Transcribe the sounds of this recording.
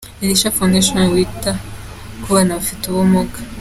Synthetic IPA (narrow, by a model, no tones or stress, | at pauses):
iliʃafundiʃwanawita | kuwanavituβɔmɔɡḁ